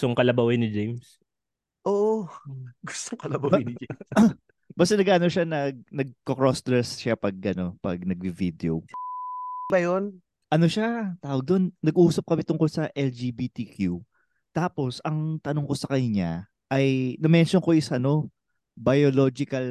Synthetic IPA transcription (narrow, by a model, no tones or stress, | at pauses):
t̪oŋkɐlɐbɐwɪnɪd͡ʒejms | ʔoːʔoɡʊ̥st̪oŋkɐlɐbɐwɪnɪd͡ʒem | bɐst̪ɐnɐɡʔaːnoʃanɐɡ̚nɐɡ̚kokɹost̪ɾɛsʃapɐɡ̚ʔɐno̞pɐɡ̚nɐɡvivid̪eo̰w | bɐjon | ʔɐno̞ʃat̪aːwɐɡ̚d̪o̞nːɐɡuːsɐp̚kɐmɪt̪ʊŋko̞lsɐʔɛld͡ʒiːbit̪ikʰju | t̪aːpo̞sɐŋt̪ɐnoŋko̞sɐkɐnɲa̰ | ʔɐjnɐmɛnʃonko̞ʔɪsɐno̞ | bɐjolo̞d͡ʒɪkɐl